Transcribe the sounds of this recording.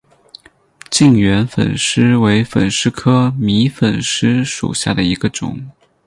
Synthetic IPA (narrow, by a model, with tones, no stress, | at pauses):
t͡ɕi˥˩ŋɥɛ˧˥nfə̰˨˩nʂɻ̩˥we˧˥ɪfə̰˨˩nʂɻ̩˥kʰɤ˥mi˧˥fə˨˩nʂɻ̩˥ʂṵ˨˩ɕja̰˥˩d̪ə˩i˧˥ɡə˧ʈ͡ʂʊ̰˨˩˦ŋ